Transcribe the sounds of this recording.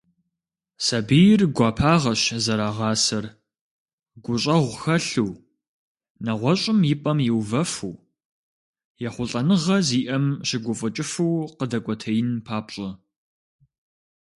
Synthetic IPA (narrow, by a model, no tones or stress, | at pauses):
sɐbijɪrɡʷɑːpʰaːʁɐʃzɐɾaːʁɑːsɐr | ɡʷʊɕʼɐʁʷxɐɬuː | nɐʁʷɔɕʼɪmjɪpʼɐmjɪwvɐfuː | jɛχʷʊɬʼɐnɨʁɐziːʔɐmɕɪɡʷʊfʼʊt͡ʃʼɪfɨwqədɐkʷʼɔtʰɐjɪnpʰaːpɕʼɐ